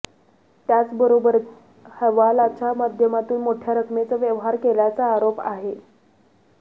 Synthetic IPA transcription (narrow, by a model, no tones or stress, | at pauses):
t̪jat͡sbəɾobəɾ | həʋalat͡ɕʰamad̪ʱjəmat̪uːnmoʈʰjaɾəkʰmet͡səʋjəʋɦaɾkelat͡saːɾopa̰ɦe